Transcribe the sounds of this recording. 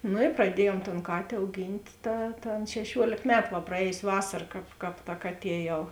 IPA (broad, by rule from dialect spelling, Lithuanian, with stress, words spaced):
nʊ prɐˈdʲiɛjuɔm toːn ˈkɑːtʲeː ɐʊˈɡʲiːnʲtʲ ˈtɐ tɐ ˈɐn ʃʲɛˈʃʲuɔlʲeːk ˈmʲæːtʊ ʋɐ prɐˈɛːjoːsʲ ˈʋɑːsɐr ˈkɑːp ˈkɑːp tɐ ˈkɑːˌtʲiɛ jɛʊ